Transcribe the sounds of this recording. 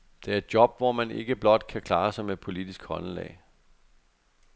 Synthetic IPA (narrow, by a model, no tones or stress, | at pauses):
d̥e̝æɐe̝d̥jɒ̽b̥ʋɒmæne̝ɡ̥əb̥lɒ̽d̥kʰækʰlɑ̈ːsɑɪmed̥̚pʰo̝lid̥isɡ̥hɒ̽nlɛ̰ːɪ